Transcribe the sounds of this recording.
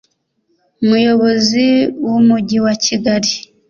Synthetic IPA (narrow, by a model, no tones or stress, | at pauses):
umujo̞βoziwumuɟiwaciɡaɾi